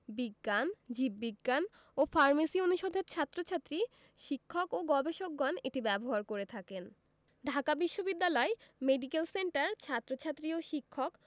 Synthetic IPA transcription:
biɡːand͡ʑibːiɡːan | ofaɾmasionuʃod̪ʱeɾt͡ɕʰat̪ːɾot͡ɕʰat̪ːɾi | ʃikʰːokoɡɔbeʃok̚ɡɔneʈibɛboɦaɾkoɾet̪ʰaken | ɖʱakabiʃːobid̪ːalɔemeɖikelseɳʈaɾt͡ɕʰat̪ːɾot͡ɕʰat̪ːɾioʃikʰːok

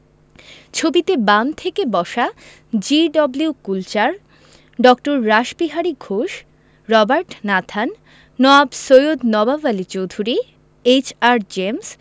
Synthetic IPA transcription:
t͡ɕʰobit̪ebamt̪ʰekebɔʃa | d͡ʑiɖɔbliukult͡ɕaɾ | ɖɔkʈoɾːaʃbiɦaɾiɡʱoʃ | ɾɔbaɾʈnat̪ʰanː | ɔabsojod̪nɔbavalit͡ɕowd̪ʱuɾi | et͡ɕaɾd͡ʑems

